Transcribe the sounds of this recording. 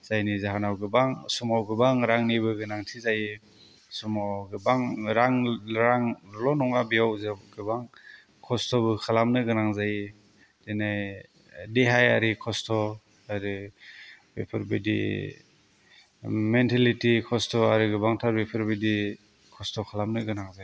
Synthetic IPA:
z̥ajnizaɦanawɡɯbaŋsumawɡɯbaŋɾaŋnibɯɡɯnaŋtʰizaji | sumaɡɯbaŋɾaŋɾaŋlɔnɔŋabiawzeɡɯbaŋ | kʰɔstʰɔbɯkʰalamnɯɡɯnaŋzaji | d̥enaj | deɦajaɾikʰɔstʰɔ | aɾi | bepʰɯɾbidḭ | mentʰalitikʰɔstɔaɾɯɡɯbaŋtʰaɾbepʰɯɾbidi | kʰɔstɔkʰalamnɯɡɯnaŋzaj

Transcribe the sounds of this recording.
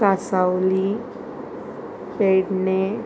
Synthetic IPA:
asawli | peɖne

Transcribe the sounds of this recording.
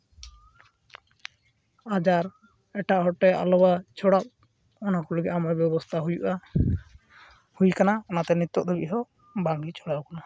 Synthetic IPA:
ad͡ʒaɾ | ɛʈaʔɦɔʈːɛa̰lɔbat͡ʃʰɔɽap̚ | ɔnakɔlɔɡɛʔamɔbjɛbɔst̪ʰaɦujuʔa | hujkanaɔnat̪ɛnit̪ːɔʔd̪ɔbiʔɦɔ | baŋɡit͡ʃʰɔɽawkana

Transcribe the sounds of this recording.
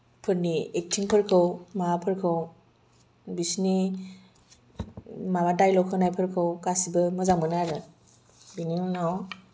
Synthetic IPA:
pʰɯɾniek̚tʰiŋpʰɯɾkʰɯwmaapʰɯɾkʰɯw | bisni | mabadajlɔwkʰɯwnajpʰɯɾkʰɯwkasibɯmɯzaŋmɯnaɾɯ | biniŋnaw

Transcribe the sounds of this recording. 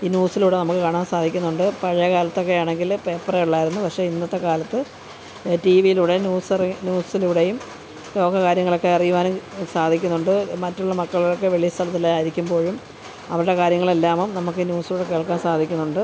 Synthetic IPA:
iːnjuːsiluːɽe̞nɐmukːɨkaːɳaːnsaːd̪ʱikʲːunːuɳɖɨpɐɻɐjɐkaːlɐt̪ːo̞kːe̞jaːɳe̞ŋɡilpepːɐreuɭːaːjiɾunːupɐkʂe̞inːɐt̪ːekaːlɐt̪ːɨ | tiːʋijiluːɽenjuːsrnʲjuːsiluːɽe̞jum | ko̞ːkːɐkaːɾjɐŋːɐɭo̞kːe̞ɐrijuʋaːnsaːd̪ʱikʲːunːuɳɖɨmɐtːuɭːɐmɐkːɐɭilokːe̞ʋeɭijɐst̪ʰɐlɐt̪̬ːileaːjiɾikʲːumbo̞ːɻum | ɐ̰ʋɐɾɨɽe̞kaːɾjɐŋːɐɭe̞lːaːmumnɐmuk̬ːinʲjuːsiluːɽe̞ke̞ːɭkːaːnsaːd̪ʱikʲːunːuɳɖɨ

